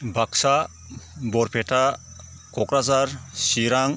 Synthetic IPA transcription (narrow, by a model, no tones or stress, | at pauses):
bʱaksa | bɔɾpʰetʰa | kɔkɾazaɾsiɾaŋ